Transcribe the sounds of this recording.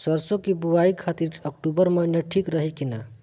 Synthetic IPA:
səɾsõkibuaikʰat̪iɾək̚ʈubəɾməɦnjeʈʰikɾəɦikina

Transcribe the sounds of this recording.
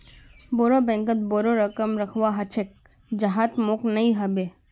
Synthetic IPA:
boːɾobɛ̃ŋkət̪̚boːɾoɾəkəmɾɐkʰʋaɦɐt͡ʃʰek̚ | d͡ʒɐɦat̪moknɐĩɦɐbe

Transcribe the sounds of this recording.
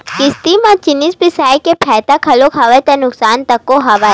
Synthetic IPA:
kɪst̪imãt͡ʃɪnɪspɪsaːjkepʰɛːt̪akʰɐlokʰaːʋet̪enʊksaːnt̪ɐkːoɦɐʋaː

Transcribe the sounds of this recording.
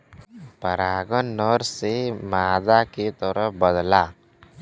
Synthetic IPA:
pəɾaːɡənːɔɾsemaːd̪aket̪ɔɾəbəd̪laː

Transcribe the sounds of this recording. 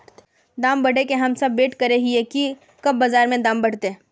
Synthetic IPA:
d̪aːmbɐɽekeɦɐmsɐbːeːʈkɐɾeɦieki | kɐbːɐzaːɾmẽd̪aːmbɐɽ̤t̪eː

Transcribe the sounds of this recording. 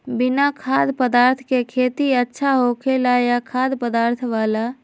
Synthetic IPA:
bɪnakʰaːd̪pəd̪aːɾt̪ʰkekʰeːt̪iətːʃʰaɦokʰelajakʰaːd̪pəd̪aːɾt̪ʰʋaːla

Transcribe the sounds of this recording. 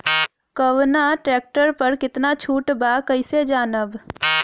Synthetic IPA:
kəʋnaʈɾeːk̚ʈəɾpəɾkɪt̪nat͡ʃʰuːʈbakəɪsed͡ʒaːnəb

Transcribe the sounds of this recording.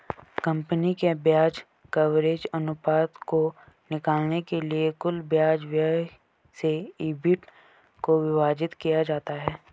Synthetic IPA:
kə̃mpənikebjaːd͡ʒ | kɐʋɾeːd͡ʒɐnʊpaːt̪ko | nɪkaːlnekeliekʊlbjaːd͡ʒʋjə | seiːbɪʈ | koʋɪʋaːd͡ʒɪt̪kijad͡ʒaːt̪aɦɛː

